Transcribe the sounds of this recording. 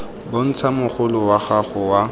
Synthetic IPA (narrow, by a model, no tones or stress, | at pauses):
bʊn̩t͡sʰamʊχʊlʊwaχaχʊwa